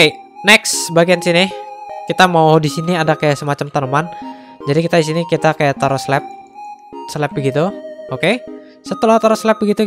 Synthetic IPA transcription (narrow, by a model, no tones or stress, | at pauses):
e | nɛksbaɡiansinɪkit̪amaudisiniadakajaʔsəmat͡ʃamt̪ənəman | d͡ʒadikit̪adis̬inikit̪akajaʔt̪aɾoslɛp̚ | səlɛp̚bəɡit̪uoke | sət̪əlat̪aɾoslɛp̚bəɡit̪u